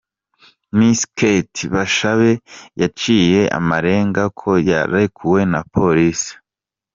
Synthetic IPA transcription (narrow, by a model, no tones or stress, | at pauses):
misketiβaʃaβe̞jat͡ʃiːje̞ʔa̰maɾe̞ːŋɡakʰo̞ja̰ɾaikʰuwe̞napʰo̞ɾisi̥